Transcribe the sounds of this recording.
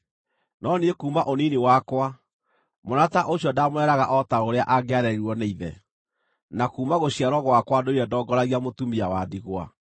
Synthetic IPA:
nɔniekuːmaʔoniniwakwa | monataʔoɕɔdamwɛɾaɣaʔɔtaoɾeaʔaɡeaɾɛiɾwɔneiðɛ̰ | nakuːmaɣoɕiaɾɔɣwakwadoiɾɛdɔːɡɔɾaɣiamotumiawadiɣwa̰

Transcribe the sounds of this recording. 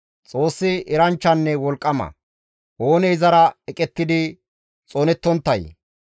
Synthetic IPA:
t͡sʼo̞ːsːɪɪɾɐnt͡ʃːɐnːɛwɔlkʼːɐmɐ̰ | ʔoːnɛjzɐɾɐɛkʼɛt̪ːɪd̪ɪ | t͡sʼoːnɛt̪ːɔnt̪ːɐj

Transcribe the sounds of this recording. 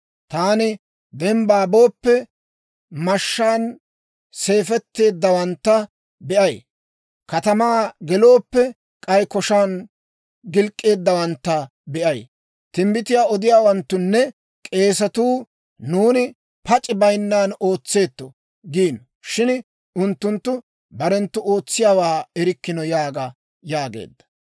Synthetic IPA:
t̪aːnɪ | d̪ɛmbaːbo̞ːpːɛ | mɐʃːaːn | se̞ːfɛt̪ːe̞ːd̪ːɐwɐnt̪ːɐ | bɛʔɐj | kɐt̪ɐmaːɡɛlo̞ːpːɛ | kʼɐjkɔʃaːn | ɡɪlkʼːe̞ːd̪ːɐwɐnt̪ːɐ | bɛʔɐj | t̪ɪmbɪt̪ɪjaːɔd̪ɪjaːwɐnt̪ːʊnːɛ | kʼe̞ːs̬ɐt̪uː | nuːnɪ | pɐt͡ʃʼːɪbɐjnːaːno̞ːt͡sːe̞ːt̪ːɔ | ɡiːn | ʃɪn | ʊnt̪ːʊnt̪ːʊ | bɐɾɛnt̪ːʊʔo̞ːt͡sːɪjaːwaːɛɾɪkːɪnɔjaːɡɐ | jaːɡḛːd̪ːɐ̥

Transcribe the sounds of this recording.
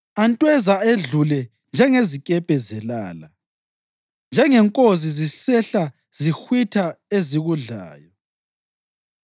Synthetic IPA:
antʼwɛzaeɮulɛ | nd͡ʒʱɛŋezikʼɛpʼɛzɛla̰ːla | nd͡ʒʱɛŋɛŋkʼozizisɛɬa | z̥ixwitʰaeziɣuɮa̰ːjɔ

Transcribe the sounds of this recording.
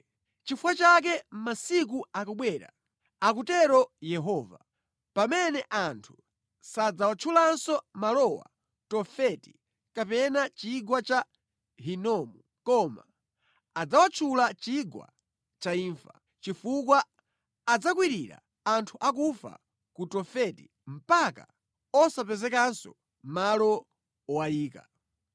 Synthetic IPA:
t͡ʃifwat͡ʃak̬ɛm̩masik̬uakɔɓwɛːɾa̰ | akutɛɾɔjɛɦɔva̰ | pamɛnɛʔantʰu̥ | sad͡zawat͡ʃʰulansɔmalɔwa̰ | tɔfɛti̥ | kapɛnat͡ʃiɡwat͡ʃa | ɦinɔmu | kɔma̰ː | d͡zawat͡ʃʰulat͡ʃiɡwa̰ | t͡ʃaiːɱfa | t͡ʃifuk̬waː | d͡zak̬wiɾiɾa̰ | antʰuʔakufa̰ | kutɔfɛtḭ | m̩paka̰ | ɔsapɛzɛkansɔ̰ | malɔ | ɔwajiːka̰

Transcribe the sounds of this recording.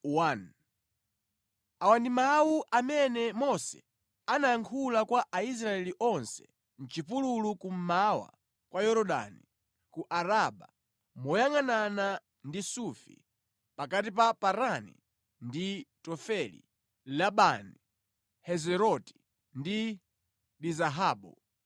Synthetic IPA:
wan | awandimawuʔamɛnɛmɔsɛ̰ | anaaŋkʰulakwaʔais̬ɾaɛliʔɔnsɛ̥ | n̩t͡ʃipululukum̩mawa̰ | kwʔajɔɾɔɗa̰ni | kuʔaɾaɓa | mɔjaŋanana | ndisufḭ | pakat̬ipapaɾanḭ | nditɔfɛlḭ | laɓani | hɛzɛɾɔti̥ | ndi | ɗizaɦaːɓu

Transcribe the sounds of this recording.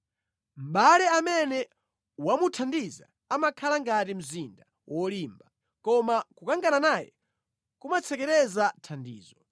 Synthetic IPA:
m̩ɓalɛamɛnɛ | wamutʰandiza̰ | amakʰalaŋɡatim̩zinda | wɔliːmba | kɔmakukaŋɡananajɛ̰ | kumat͡sʰɛkɛɾɛzatʰandḭːzɔ

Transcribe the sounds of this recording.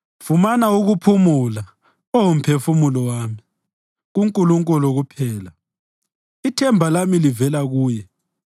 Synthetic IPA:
fumanauɣupʰumula | owum̩pʰefumulɔwaːmi | ɣuŋkʼuluŋkʼulɔɣupʰɛːla | itʰɛmbʱalamilivɛlaɣuːjɛ

